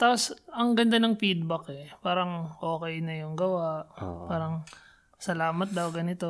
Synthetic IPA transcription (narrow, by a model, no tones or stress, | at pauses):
t̪aːposɐŋɡɐnd̪ɐnɐŋfid̪̚bɐkɛpaːɾɐŋʔo̞ːkɛjnɐjʊŋɡɐwaʔpaːɾɐŋ | sɐlaːmɐt̪̚d̪ɐwɡɐnɪt̪o